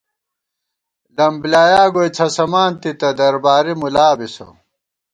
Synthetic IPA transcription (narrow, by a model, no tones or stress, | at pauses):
lɐmbljaːjaːɡot͡sʰɐsɐmaːnt̪it̪ɐd̪ɐɾbaːɾimulaːbiso̰